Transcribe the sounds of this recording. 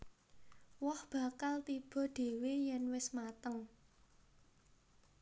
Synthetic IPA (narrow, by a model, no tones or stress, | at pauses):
wɔhb̥ä̤kalt̪ib̥ɔ̤ɖ̪̥e̤wejɛnwɪsmat̪əŋ